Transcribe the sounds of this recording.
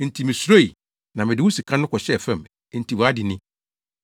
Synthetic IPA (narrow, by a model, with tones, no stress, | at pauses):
n̩˨tʰi˨mɪ̃˨sɾo˦i˨ | nã˨mɪ̃˨dɪ˨˦wu˦si˨kʰã˦nʊ̃˦kʰɔ˨ɕɛ˦˨fɛ̃˦˨m˨ | n̩˨tʰi˨wa˦dɪ˨nɪ̃˦